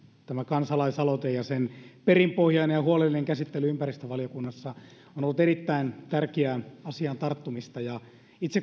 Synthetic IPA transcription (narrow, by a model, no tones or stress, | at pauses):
t̪æmækɑnsɑlɑisɑlot̪ejɑsenperimpohjɑinenjɑhuolelːineŋkæsit̪ːelyympærist̪øʋɑlijokunːɑsːɑ | onolːut̪erit̪ːæint̪ærkeæɑsiɑnt̪ɑrt̪ːumist̪ɑjɑ | it̪se